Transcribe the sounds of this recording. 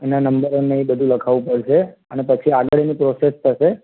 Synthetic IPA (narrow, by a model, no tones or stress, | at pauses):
enanəmbəɾoneibəd̪ʱũləkʰaʋũpəɽʃeənepət͡ʃʰiaɡəɭenipɾosest̪ʰəʃe